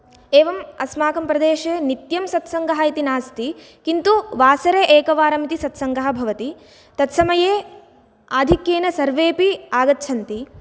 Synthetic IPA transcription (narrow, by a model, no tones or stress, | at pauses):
eːʋɐmɐsmaːkɐmpɾɐd̪eːʃeːnit̪jɐmsɐt̪sɐŋɡɐɦɐit̪inaːst̪i | kint̪uʋaːsɐɾeːʔeːkɐʋaːɾɐmit̪isɐt̪sɐŋɡɐɦɐ̆bʱɐʋɐt̪i | t̪ɐt̪sɐmɐjeː | aːd̪ʱikjeːnɐsɐɾʋeːpiaːɡɐt̪ːt͡ʃʰɐnt̪i